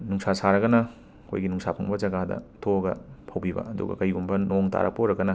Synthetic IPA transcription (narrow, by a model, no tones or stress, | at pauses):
nuŋsasaɾɐɡɐnɐ | kʰo̰jɡinuŋsapʰɐŋbɐd͡ʒɐɡadɐ̰tʰoɐɡɐ̰pʰɐwbibɐ̰ɐdṵɡɐ̰kɐjɡumbɐnoŋta̰ɾɐ̰poɾɐɡɐnɐ